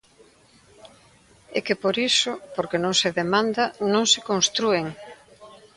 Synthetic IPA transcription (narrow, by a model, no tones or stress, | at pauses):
ɛkepoɾisʊpoɾkenõŋseðemãnd̪anõŋsekõŋst̪ɾueŋ